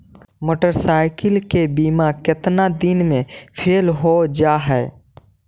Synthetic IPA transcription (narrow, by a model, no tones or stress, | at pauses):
moːʈəɾsaːɪkəlkebiːmakɪt̪nad̪ɪnmẽpʰeːlɦod͡ʒaːɦɛː